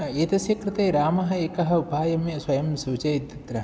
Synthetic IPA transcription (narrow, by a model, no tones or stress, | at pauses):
eːt̪ɐsjɐkɾɪt̪eːɾaːmɐɦɐ̆eːkɐɦɐ̆ubʱaːjɐmjɐswɐjɐmsuːt͡ʃɐjit̪ːɐt̪ɾɐ